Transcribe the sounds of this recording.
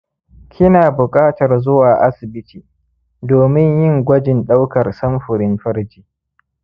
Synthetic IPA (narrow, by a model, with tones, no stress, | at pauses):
kʲʰɪ˦naː˨bʊ˨kʼaː˦tɐ˨rzʊ˦waː˨ʔa˦sɪ˨bɪ˦tiː˨ | doː˨mɪ˦ɲjɪ˦ŋɡʷɐ˦d͡ʒɪ˨nɗa˦wkɐ˨rsɐ˦mɸʊ˨ɾɪ˦mɸɐ˦rd͡ʒiː˨